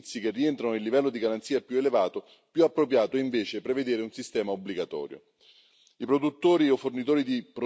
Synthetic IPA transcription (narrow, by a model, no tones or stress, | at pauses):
t̪sːik̟erːient̪ɾanoilːivɛlːod̪iɡaɾant̪siːapjuelevaːt̪o | pjuapːɾopjaːt̪oiɱveːt͡ʃepɾeved̪eːɾeunsist̪ɛːmaobːliɡat̪ɔ̰ːɾjo̰ | ipɾod̪ut̪ːoːɾiofːornit̪oːɾid̪ipɾ